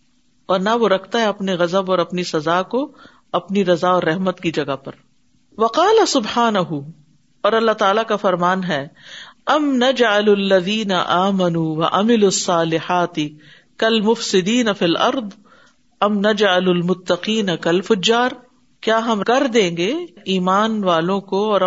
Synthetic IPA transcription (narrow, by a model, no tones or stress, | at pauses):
ɔːɾnɐʋoɾɐkʰt̪aɦɛɐpneɣɐzəbɔːɾɐpnisɐzaːko | ɐpniɾɐzaɔːɾːɛɦmət̪kid͡ʒɐɡapɐɾ | ʋɐqɑːlɐsʊbħaːnɐɦʊ | ɔːɾɐlːaːt̪aːlakafɐɾmaːnɦɛːɐmnɐd͡ʒʕalɐlːɐðiːnɐʔaːmɐnuːwɐʔamɪluɐsˤːɑːlɪħaːt̪ɪ | kɐlmʊfsɪd̪iːnɐfilʔɐɾd̪ˤ | ɐmnɐd͡ʒʕalʊlmʊt̪ːɐqiːnɐkɐlfʊd͡ʒːaːɾ | kjaːɦɐmkɐɾd̪ẽːŋɡeːiːmaːnʋaːlõkoɔːɾ